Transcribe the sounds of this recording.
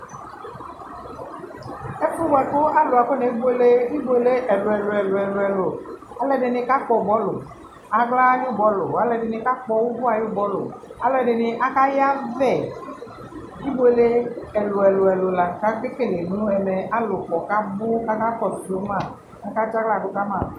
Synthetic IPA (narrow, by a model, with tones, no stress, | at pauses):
e˦fo˦ba˨ko˦a˦lo˨a˨ko˦ne˨˦bo˦le˦i˦bo˦le˦ʔɛ˨lo˨ɛ˨lo˨ɛ˨lo˨ɛ˨lo˨ɛ˨lo˨ | a˦lɛ˨ɖe˨ne˨˦ka˦k͡pɔ˨bɔ˦lo̰˨ | a˨ɡla˦ɲ˦o˦˨bɔ˦lo˨a˨˦lɛ˨ɖe˨ne˨˦ka˦k͡pɔ˨wu˦bu˦a˨jo˦bɔ˦lo̰˨a˦lo˨ɛ˨ɖe˨ne˨ʔa˦ka˦ja˦vɛ˨ | i˦bo˦le˦ɛ˨lo˨ɛ˨lo˨ɛ˨lo˨la˨ka˦ke˦ke˦˨le˨nũ˦ɛ˨mɛ˨a˦lo˨k͡pɔ˨ka˦mo˦ka˦ka˦kɔ˨tdo˦mã˦˨ | a˦ka˦t͡ʃa˦ɡla˦˨do˦ka˦mã˦˨